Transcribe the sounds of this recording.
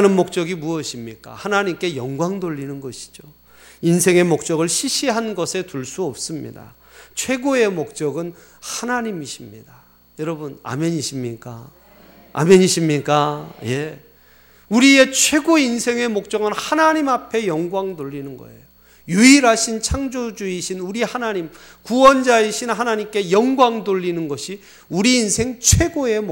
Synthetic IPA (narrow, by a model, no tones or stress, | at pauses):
nɯnmok̚t͡ɕ͈ʌɡimuʌɕʰimɲik͈a̰hanaɲimk͈e̞jʌŋɡwaŋdoʎːinɯnɡʌɕʰi̥d͡ʑo | insʰe̞ŋe̞mok̚t͡ɕ͈ʌɡɯɭɕʰiɕʰiɦanɡʌsʰe̞tuɭs͈uʌp̚s͈ɯmɲḭda̰ | t͡ɕʰwe̞ɡoe̞mok̚t͡ɕ͈ʌɡɯn | hanaɲimiɕʰimɲida | jʌɾʌbuna̰mjʌɲiɕʰimɲik͈a | a̰mjʌɲiɕʰimɲik͈aje̞ | uɾie̞t͡ɕʰwe̞ɡoinsʰe̞ŋe̞mok̚t͡ɕ͈ʌɡɯnhanaɲimapʰe̞jʌŋɡwaŋdoʎːinɯnɡʌ̰e̞̰jo | juiɾɦaɕʰint͡ɕʰaŋd͡ʑod͡ʑuiɕʰinuɾihanaɲim | kuwʌnd͡ʑaeɕʰinɦanaɲimk͈e̞jʌŋɡwaŋdoʎːinɯnɡʌɕʰi | uɾiːnsʰe̞ŋt͡ɕʰwe̞ɡoe̞mo